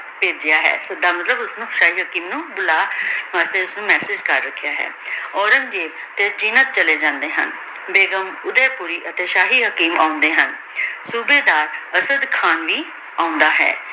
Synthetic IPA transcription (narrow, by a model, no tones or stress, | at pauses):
peːd͡ʒɪjaːɦɛ̰ːsəd̪aːmət̪ləbʊsnũːʃaːɦiːɦəkiːmnũːbʊlaːmaːst̪eːʊsnũːmɛːsɪd͡ʒkəɾːəkʰːjaːɦɛ̰ː | ɔːɾəŋd͡ʒeː | t̪eːd͡ʒiːnət̪̚t͡ʃəleːd͡ʒãːnd̪eːɦə̰n | beːɡəmʊd̪ɛːpuːɾiːʔət̪eːʃaːɦiːɦəkiːma̰ːʊ̃nd̪eːɦən | suːbeːd̪aːɾəsəd̪kʰaːnʋiː | aːʊ̃nd̪aːɦɛ̰ː